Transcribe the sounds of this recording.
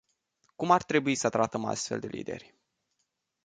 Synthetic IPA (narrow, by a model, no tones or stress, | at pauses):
kumart̪ɾe̞buisət̪ɾat̪əma̰st̪fe̞ld̪e̞lḭd̪e̞̰rʲ